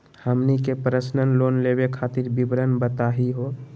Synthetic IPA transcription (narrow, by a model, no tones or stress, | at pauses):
həmnikepɾəsnənlonlebekʰaːt̪iɾbibɾənbət̪aɦiɦo